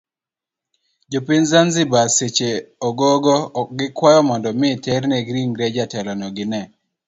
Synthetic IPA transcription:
d͡ʒopɪnzanzɪbaset͡ʃeɔɡoɡɔk̚ɡɪkwajɔmɔndɔmɪtɛɾnɛɡɾiŋɡɾɛd͡ʒatɛlɔnɔɡɪnɛ

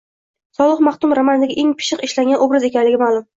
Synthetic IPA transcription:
sɒlˠɨχmɑχt̪ʊmɾamanɪd̪aɡʲaʔe̞ŋpʰɪ̥ʃɪqɪʃlaŋɡʲanobɾaze̞kʲanlɪɡʲɪmaːlˠʊm

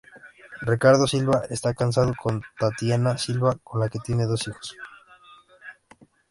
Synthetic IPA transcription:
rikaɾð̞o̞silβaʔe̞st̪akans̬að̞o̞ko̞nt̪at̪janasilβako̞nlake̞t̪je̞ne̞ðo̞sixo̞̥s

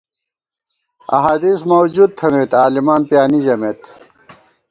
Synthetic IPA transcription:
ɐ̰ɦaːd̪ismɐwd͡ʑud̪̚t̪ʰɐneːt̪aːlimaːnpjaːnid͡ʑɐmeːt̪

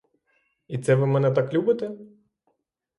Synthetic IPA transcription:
it̪sɛʋɪmɛnɛt̪aklʲubɪt̪e

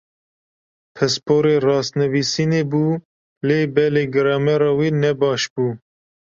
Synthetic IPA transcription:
pʰɛspʰoːɾeːrɑːst̪nɨviːsiːneːbuː | leːbɛleːɡɨɾɑmɛɾɑːwiːnɛbɑːʃbuː

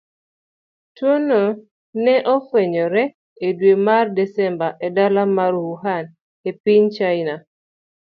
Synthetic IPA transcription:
twono | nɛʔɔfeɲɔɾɛ | edwemardɛsɛmbaʔɛdalamaɾuhuɦan | epiɲt͡ʃaina

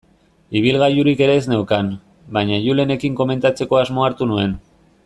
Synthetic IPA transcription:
iβ̞ilɣajuɾike̞ɾe̞ːzne̞wkan | bajɲaʎule̞ne̞kiŋko̞me̞nt̪at͡se̞ko̞azmo̞aɾt̪unue̞n

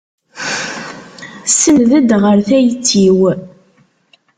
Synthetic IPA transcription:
sənðəd̪ʁəɾθæjt͡sːiw

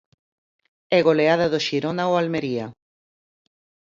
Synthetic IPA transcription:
ɛɣoleað̞aðoʃiɾonaoalmeɾia

